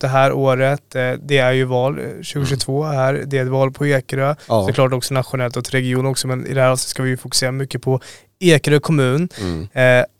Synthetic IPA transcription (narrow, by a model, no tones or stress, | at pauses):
d̪̥ɛɦæːɾʔoːɾət̪d̪ɛæɾjɵvɑːlɕʉːɡʊʂʉɡt̪ʰvoːhæːɾd̪ɛɛt̪vɑːlpʰɔeːkɾəsɔklɑːʈ̬ɔksɔnat̪ɧʊnɛlt̪ɔkɾɛɡɪuːnɔksɔmɛnɪ̰d̪ɛhæɾhɑːlsɔ̥skavɪjɵfʊkɵ̥seːɾamʏkːəpʰɔ | eːkɾəkʰɔmʉ̟ːn